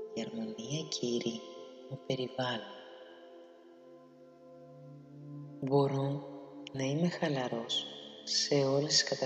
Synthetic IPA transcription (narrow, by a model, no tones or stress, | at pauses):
ʝeɾmɐniɐcʰiɾimupe̞ɾivɐlon | bo̞ɾo̞nɐime̞xɐlɐɾo̞sː | e̞o̞lesiskɐt̪ɐ